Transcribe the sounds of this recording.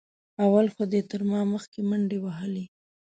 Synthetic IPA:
awalxod̪et̪əɾmɑməxkeməɳɖewaɦəle

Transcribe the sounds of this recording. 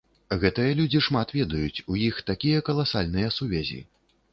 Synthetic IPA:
ɣɛt̪ɨjɐlʲud͡zʲiʂmat̪vʲɛd̪ɐjut͡sʲujixt̪akʲijɐkɐlˠasalʲnɨjɐsuvʲɛzʲḭ

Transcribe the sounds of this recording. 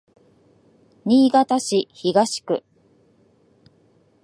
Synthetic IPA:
ɲ̟iːɡat̪aɕiçiɡaɕi̥kɯ̟

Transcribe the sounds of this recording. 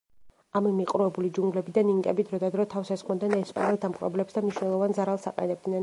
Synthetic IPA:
amimiqʼɾuɛbulid͡ʒuŋɡlɛbid̪aniŋɡʼɛ̰bid̪ɾɔd̪ad̪ɾɔt̪ʰafsɛsχʼmad̪ɛnɛspʼa̰nɛld̪amχʼɾɔ̰blɛpsd̪amniʃnɛlˠɔvanzaɾalˠsaqʼɛ̰nɛb̚d̪nɛn

